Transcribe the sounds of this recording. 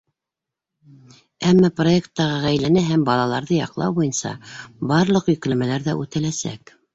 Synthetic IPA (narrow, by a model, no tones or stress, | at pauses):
æmːɑproe̞kt̪ːɑʁɤʁæjlænæɦæmbɑlˠɑlˠɑɾðɤjɑ̰qlˠɑ̰wbujɤnsɑ̰bɑɾlˠɤqjɵ̆klæmælæɾðæʔʉt̪ælæsæ̰k